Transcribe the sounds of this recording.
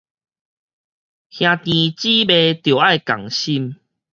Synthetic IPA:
hj̃ã˧t̪ĩ˧t͡ɕi˦be˧t̪jo˨˩a˥˧˨jka̰˨˩ŋɕi˦˧m

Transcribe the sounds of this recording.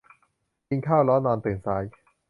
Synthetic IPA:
ji˧ŋkʰaː˥˩wlɔː˦˥nːɔː˧nt̪ɯː˨˩nsaː˨˦˥j

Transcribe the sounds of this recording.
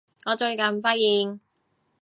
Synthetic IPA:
ŋɔː˨˧t͡ʃɵ˧ɥkɐ˨nfɐ˥t̚jiː˨˧ŋ

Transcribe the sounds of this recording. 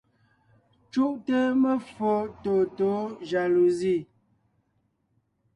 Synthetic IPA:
t͡ʃu˦ʔtə˦mə˦fo˦to˨to˨˦ʒa˨lu˨zi˦˨

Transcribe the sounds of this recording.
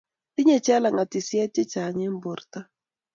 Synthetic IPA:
ti˦ɲɛ˨t͡ʃa˦la˨ŋa˨ti˨sja˦t͡ʃɛ˦t͡ʃa˨ɲe˦m˦bo˨rta˦

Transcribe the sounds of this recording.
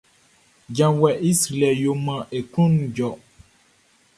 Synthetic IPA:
d͡ʒã˨wɛ˨ʔi˦sɾi˨lɛ˨jo˨mã˨ʔe˨kũ˦ñ˨˦d͡ʒɔ˨

